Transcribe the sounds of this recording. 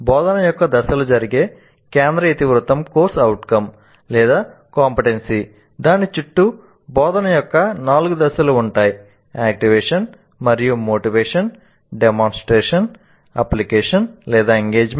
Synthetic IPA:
bɔːd̪ɐnɐjɔkːɐd̪ɐsɐlud͡ʒɐɾiɡe̞ː | kɛːnd̪ɾɐit̪iʋɾut̪ɐmkoːɾsɐwʈkɐm | lɛːd̪aː | kaːmpiʈensi | d̪aːnit͡ʃuʈːu | bɔːd̪ɐnɐjɔkːɐnaːluɡud̪ɐsɐluːɳʈaːji | aːk̚ʈiʋɛːʂɐn | mɐɾijumoːʈiʋɛːʂɐn | ɖemaːnsʈɾɛːʂɐn | ɐ̰plikɛːʂɐnlɛːd̪aːeŋɡeːd͡ʒ

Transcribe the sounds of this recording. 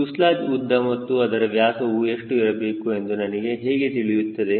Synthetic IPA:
uslaːd͡ʒud̪ʱːɐmɐt̪ːuɐd̪ɐɾɐʋjaːsɐʋueʂʈuiɾɐbe̞ːkue̞nd̪unɐniɡe̞ɦeːɡet̪iɭijut̪ːɐd̪e̞

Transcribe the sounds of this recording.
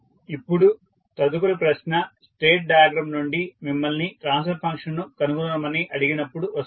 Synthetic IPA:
ipːuɽu | t̪ɐd̪ukuɾipɾɐʃnɐsʈe̞ːʈ̚ɖɐjaɡɾɐmnuɳɖimimːɐlniʈɾaːns̬ɐɾpʰɐŋkʂɐnnukɐnuɡunɐmɐniʔɐɽiɡinɐpːuɽuʋɐs

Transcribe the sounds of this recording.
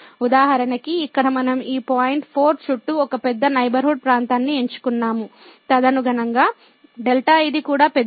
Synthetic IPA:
ud̪aːɦɐɾɐnɐkiːkːɐɽɐmɐnɐmiːpaːjiɳʈpʰoːɾt͡ʃuʈːuɔkɐpɛd̪ːɐnɐjbɐɾɦuːɖ̚pɾaːnt̪aːnːieɲt͡ʃu̥kunːaːmu | t̪ɐd̪ɐnuɡɐnɐŋɡaː | ɖelʈaːɐjd̪ikuːɽaːpɛ

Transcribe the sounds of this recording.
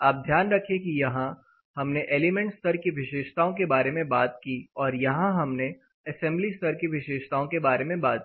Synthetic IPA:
aːp̚d̪ʱjaːnɾɐkʰẽkijɐɦã | hɐmneʔeːlimɛ̃ɳʈst̪əɾkiʋɪʃeːʃt̪aːõkebaːɾemẽbaːt̪̚kiɔːɾjɐɦãɦɐmne | ɐsɛ̃mblist̪əɾkiʋɪʃeːʃt̪aːõkebaːɾemẽbaːt̪̚i

